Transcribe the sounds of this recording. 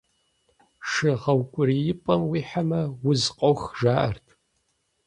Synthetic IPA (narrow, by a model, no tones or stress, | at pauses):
ʂɨʁɐwkʷʼʊɾijɪpʼɐmwiːħamɐwʊzqʼowxʒaːʔɐrtʰ